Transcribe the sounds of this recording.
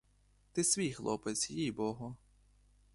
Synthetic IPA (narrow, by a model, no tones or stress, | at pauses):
t̪ɪsʋʲijxlˠɔ̰pɪt̪sʲjijbɔɦɔ